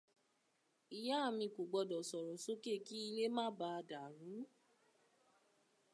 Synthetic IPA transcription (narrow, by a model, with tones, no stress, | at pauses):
i˨ja˨˦a˦˨mĩ˧ko˨ɡ͡bɔ˧dɔ˨sɔ˨ɾɔ˨so˦ke˦˨ki˦i˧le˦mãː˦ba˧da˨ɾũ˨˦